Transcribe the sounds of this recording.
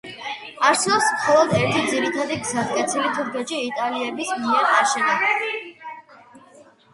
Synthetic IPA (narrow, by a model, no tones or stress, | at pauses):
aɾsɛpsmχɔlˠɔd̪ɛɾt̪ʰid̪ziɾit̪ʰad̪iɡzaskʼɛt̪sʰilit̪ʰuɾkʰɛt͡ʃiːt̪ʼaliɛbismiɛɾaʃɛni